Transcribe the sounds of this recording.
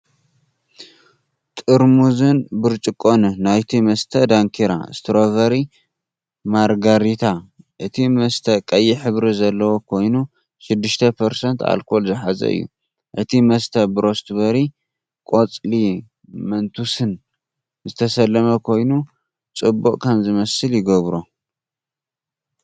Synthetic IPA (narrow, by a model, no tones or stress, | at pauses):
t̪ʼɨɾmuzɨnbɨɾt͡ʃʼɨkʼːonɨnajt̪ʰimɐst̪ʰɐd̪aŋkʰiɾa̰st̪ʰɾovɐɾi | maɾɡaɾit̪ʰa | ʔɨt̪ʰimɐst̪ʰɐkʼɐjːiħɨβɾizɐlːɐwokʰo̞jnu | ʃɪd̪ːɨʃt̪ʰɐpʰɐɾsɐnt̪a̰lkʰo̞lzɨħazɐ̰ʔɨ̰jːṵ | ʔɨt̪ʰimɐst̪ʰɐbɨɾo̞st̪bɐɾi | kʼo̞t͡sʼli | mɐnt̪ʰusɨn | zɨt̪ʰɐsɐlːɐmɐkʰo̞jnu | t͡sʼɨbːuʔʼkʰɐmzɨmɐsɨljɪɡɐβɾu